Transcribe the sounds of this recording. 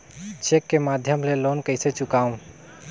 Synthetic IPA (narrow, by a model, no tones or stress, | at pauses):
t͡ʃekːemad̪ʱjəmlelonkəɪset͡ʃukaũ